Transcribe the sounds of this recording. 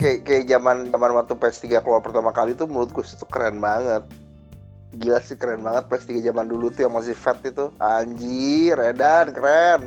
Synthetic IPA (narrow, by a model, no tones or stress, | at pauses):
kajakajad͡ʒamand͡ʒamanwat̪upɛst̪iɡakəlalpərt̪amakalit̪umuɾʊt̪̚ɡusi̥t̪ukəɾɛnbaŋət̪̚ | ɡilasɪkəɾɛnbaŋət̪̚pɛst̪iɡad͡ʒamandulut̪ujaŋmas̬ihfɛt̪̚it̪uaɲd͡ʒiɾedankəɾɛn